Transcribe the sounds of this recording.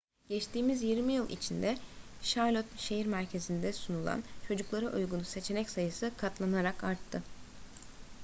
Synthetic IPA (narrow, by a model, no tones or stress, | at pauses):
ɟɛt͡ʃt̪ʰiːmizjiɾmijɯlˠʔḭt͡ʃʰind̪ɛ | ʃaɾlʲˠot̪ʃe̞ɦiɾmæɾcʰe̞zind̪ɛsunulˠa̰nt͡ʃʰo̞d͡ʒuklˠaɾɯʔujɡunuse̞t͡ʃʰe̞nɛcsajɯsɯkʰat̪lˠanaɾakaɾt̪ʰːɯ